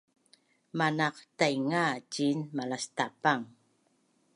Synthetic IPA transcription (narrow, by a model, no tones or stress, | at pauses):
manaqtajŋat͡ʃinmalast̪apaŋ